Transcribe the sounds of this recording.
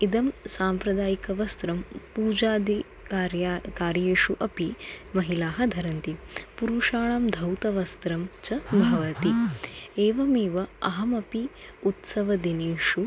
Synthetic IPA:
id̪ɐmsaːmpɾɐd̪aːjikɐʋɐst̪ɾɐmpuːd͡ʒaːd̪ʱi | ɾjakaːɾjeːʂuʔɐpimɐɦilaːɦɐd̪ʱɐɾɐnt̪ipuɾuʂaːɭamd̪ʱɐwt̪ɐʋɐst̪ɾɐmt͡ʃɐbʱɐʋɐt̪ieːʋɐmeːʋɐɐɦɐmɐpiut̪sɐʋɐd̪ineːʂu

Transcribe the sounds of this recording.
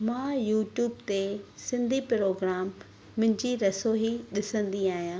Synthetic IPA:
mãːjuːʈjuːb̚t̪esɪ̃nd̪ʱipɾoːɡɾaːmː | ʊ̃ɦɪ̃ɲd͡ʑiɾɐsoːɦiɗɪsə̃nd̪iaːɦijãː

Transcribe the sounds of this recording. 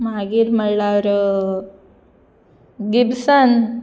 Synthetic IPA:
maːɡiɾmɐɭːaʋɾ | ɡibsɐn

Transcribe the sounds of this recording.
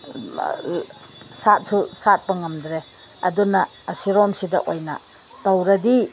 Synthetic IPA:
sat̚susat̚pɐŋɐmdɾe | ɐ̰dunɐːsiɾɔmsidɐ̰ʔojnɐ̰ | tɐwɾɐdi

